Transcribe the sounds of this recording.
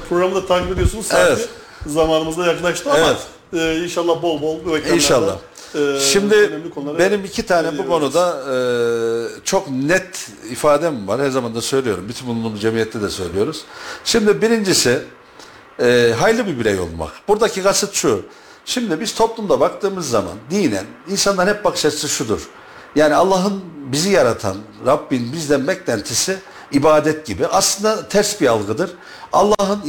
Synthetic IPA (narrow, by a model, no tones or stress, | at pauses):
pʰɾoɡɾamd̪at̪ʰakbilʲijosunuzsaevɛti | zamaːnɯmɯzd̪ajaklˠaʃt̪ʰɯaemaɛt̪ː | inʃalˠːahbo̞lˠbolˠbuvekinʃalˠːa̰h | ʃimd̪iønɛmlʲikʰolˠaɾbe̞nimicʰit̪ʰaːnɛbukʰo̞nud̪aɯ | t͡ʃʰo̞knɛt̪ | ifaːd̪ɛmumvaɾ̥hæɾzamand̪asø̞jlʲijo̞ɾumbyt̪ʰynbunˠunˠumzd͡ʒemijɛt̪ʰːɛd̪ɛsø̞̰jlʲijo̞ɾuz̥ʃimd̪ibiɾind͡ʒisɪ | ɦajlˠɯbibiɾɛjo̞̰lˠma̰kbuɾd̪acʰiɡasɯt̪ʃu | ʃimd̪ibiz̥t̪ʰo̞plˠumd̪abakt̪ʰɯːmɯzːama̰nd̪ijinæ̰ninsanlˠaɾhɛp̚bakɯ̥ʃaɾɯsɯʃud̪uɾ̥ | jaːnialˠːaːɦɯnbizijaɾat̪ʰa̰nɾabːinbizd̪ænbɛclʲænt̪ʰisɪ | ibaːd̪ɛt̪̚ɟibiʔaslˠɯnd̪at̪ʰæɾsbialˠɡɯd̪ɯɾ̥ | alˠːaɦɯn